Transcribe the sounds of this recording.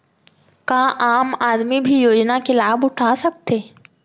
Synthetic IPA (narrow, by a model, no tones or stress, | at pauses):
kãːʔaːmaːd̪mibʱijoːd͡ʒnakelaːbʊʈʰasɐk̚t̪eː